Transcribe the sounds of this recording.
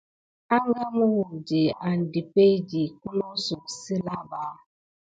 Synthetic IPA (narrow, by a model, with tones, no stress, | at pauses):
a˦ŋɡa˦mu˦wu˨d͡ʒi˨a˨n˨di˨pe˦d͡ʒi˨ku˦lo˦su˨ksi˦la˦ɓa˦